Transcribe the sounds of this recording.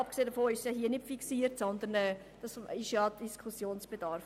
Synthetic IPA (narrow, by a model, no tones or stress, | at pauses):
ɑp̚kseːdəfoːɪʃsjɑhiːənɪtfiksiːəɾtsɔnd̪ənɛː | d̥ɑsɪʃjɑ̥iskʰusjoːnsb̥ed̥ɑɾf